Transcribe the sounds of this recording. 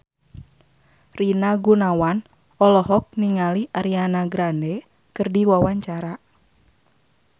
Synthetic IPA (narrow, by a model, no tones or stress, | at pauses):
rinaɡunawan | ɔlɔɦɔk̚niŋaliʔaɾianaɡɾandɛ | kɨrdiwawaɲt͡ʃaɾa